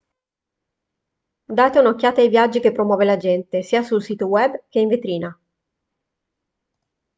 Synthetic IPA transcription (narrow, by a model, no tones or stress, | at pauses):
d̪aːt̪eunokʲːaːt̪eajvjad͡ʒːik̟epːɾomwɔːvelad͡ʒɛnt̪esiːasulsiːt̪owɛbk̟eiɱvet̪ɾiːna